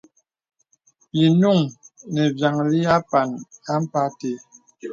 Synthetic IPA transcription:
ji˨nu˦˨ŋnɛ˨bja˨ŋli˦a˦pa˨na˦m̩˦pa˦te˨˦

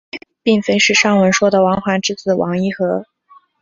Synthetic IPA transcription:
pi˥˩ŋfe˥ɪʂɻ̩˥˧ʂɑ˥˩ŋwə˧˥nʂwɔ˥d̪ə˨wɑ˧˥ŋxwa˧˥ʈ͡ʂɻ̩˥˧t͡sɹ̩˥˩wʔɑ˧˥ŋi˥˩xɤ˧˥

